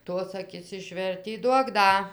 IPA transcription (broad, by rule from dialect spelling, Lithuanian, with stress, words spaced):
ˈtoːs ɐˈkʲɪs ɪʃʲˈʋʲɛrʲtʲiː ˈduɔk ˈdɐ